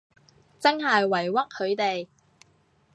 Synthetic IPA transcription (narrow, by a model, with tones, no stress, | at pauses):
t͡sɐ˥ŋhɐ˨jwɐ˨˩jwɐ˥k̚hɵ˨˧ɥt̪e˨j